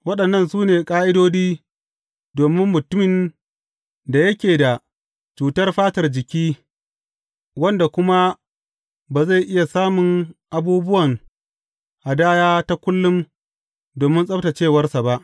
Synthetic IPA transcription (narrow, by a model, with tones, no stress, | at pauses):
wɐ˦ɗɐ˨nːɐ˦˨nsuː˦neː˨kʼaː˦ʔɪ˦doː˦d͡ʒiː˦ | doː˨mɪ˦mːʊ˨tʊ˦mɪ˨n | da˨jɐ˦kʲeː˨da˨ | t͡ʃuː˨tɐ˦rɸaː˦tɐ˨rd͡ʒɪ˨kʲiː˦ | wɐ˦nda˨kʷʊ˦ma˦ | baː˨za˦˨jʔɪ˦ja˨saː˦mʊ˨ŋʔa˨buː˦bʊ˦wɐ˨ŋ | ha˨daː˦jaː˦ta˦kʷʊ˦lːʊ˦m | doː˨mɪ˦nsʼɐ˦bta˨t͡ʃeː˦˨wɐ˦rsa˨ba˦ʔ